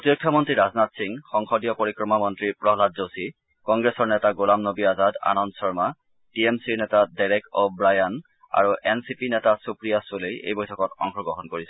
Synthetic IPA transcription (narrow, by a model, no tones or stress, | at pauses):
potjɔkʰːɔmɔntɹiɹaznatsiŋxɔŋxɔdijɔpoɹikɹɔmamɔntɹipɹɔɦlad̚zosi | kɔŋɡɹesɔɹnɛtaɡolamnobiazada̰nɔndsɔɹma | tiemsiɹnɛtadɛɹɛkɔbɹajan | a̰ɹuʔɛnsipinɛtasupɹijasulejḛjbojtʰɔkɔtɔ̰ŋxɔɡɔɦɔnkoɹisɛ